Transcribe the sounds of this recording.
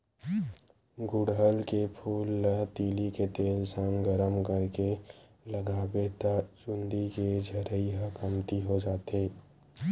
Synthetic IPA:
ɡʊɽɦəlkepʰuːlːət̪iːliket̪eːlsəŋɡəɾəmkəɾke | ləɡaːbet̪at͡ʃʊ̃nd̪iked͡ʒʱəɾəiɦəkəmt̪iɦod͡ʒaːt̪eː

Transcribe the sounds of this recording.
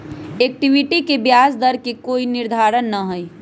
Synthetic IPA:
eːk̚ʈiʋiʈikebjaːsd̪əɾkekoːinɪɾd̪ʱaːɾənːəɦəi

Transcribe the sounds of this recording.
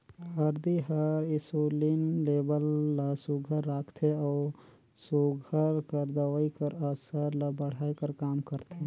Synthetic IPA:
ɦəɾd̪iɦəɾɪsulinleːbəlːəsuɡʱəɾːaːkʰt̪ʰeɔː | suɡʱəɾkəɾd̪əwəikəɾəsəɾləbəɽ̤aːikəɾkaːmkəɾt̪ʰe

